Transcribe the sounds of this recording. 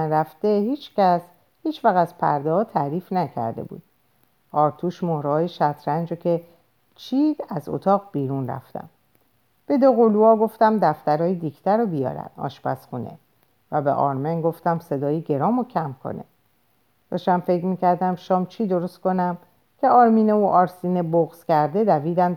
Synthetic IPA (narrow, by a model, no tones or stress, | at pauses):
ænɾæft̪e̞hiːt͡ʃʰcæs | hiːt͡ʃʰvæɣæzpʰæ̰ɾd̪ɛhɒːt̪ʰæɾiːfnæcʰæ̰ɾd̪e̞̰bṵːd̪̥̚ | ʔɒːɾt̪ʰuːʃmohɾhɒːjeʃæt̪ʰɾænd͡ʒocʲʰe̞ | t͡ʃʰid̪̥æzo̰t̪ʰɒːɣbiːɾunræ̰ft̪ʰæ̰m | b̥e̞d̪oɣoluɒːɡo̞ft̪æmd̪æft̪æɾɒːjid̪iːcʰt̪ʰæɾɔbijɒ̰ːɾæ̰d̪ɒ̰ːʃpæsxunḛ | væbḛʔɒ̰ːɾmenɡo̞ft̪æmse̞d̪ɒːjiɟe̞ɾɒːmocʰæmkʰo̞̰ne̞̰ | d̪̥ɒːʃæmfe̞cʰɾmiːcæɾd̪æmʃɒːmt͡ʃʰiːd̪o̞ɾost̪̚ko̞næm | cʰe̞ɒːɾmiːneoʔɒːɾsiːneboɣz̥cʲæɾd̪e̞d̪æviːd̪æm